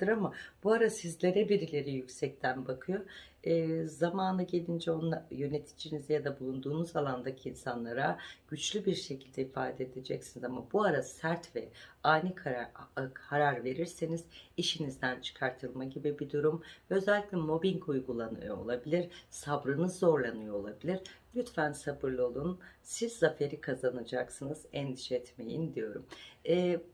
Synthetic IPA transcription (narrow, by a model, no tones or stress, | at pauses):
d̪ɯɾamab̥uaɾasizlʲe̞ɾɛbiɾilʲe̞ɾijycsɛc̚t̪ʰænbakʰɯjo | ɯːzamaːnɯɟe̞lʲind͡ʒɛo̞najø̞ne̞t̪ʰi̥d͡ʒinizɛjad̪abulˠund̪uːnuzalˠand̪acʰiːnsanlˠaɾaɟ̥yt͡ʃlʲybiɾʃe̞cʰilʲd̪ɛifaːd̪ɛed̪ed͡ʒɛcsinizamabuaɾasæɾt̪vɛajnɯkʰ | aɾaɾve̞ɾiɾsiniz̥iʃinizd̪ænt͡ʃʰɯ̥kʰaɾt̪ʰɯlˠmaɟibibid̪uɾumvɛøzɛlʲːicʲlʲɛmo̞biɲkʰujɡulˠanɯ̰joo̰lˠabilʲiɾsabɾɯnɯzːo̞ɾlˠanɯjoolˠabilʲiɾ̥lʲyt̪fænsabɯɾlˠɯo̞lˠunsizːafe̞ɾikʰazanad͡ʒaksɯnɯz̥ɛnd̪iʃɛɛt̪me̞̰jḭnd̪ijo̞ɾumɛː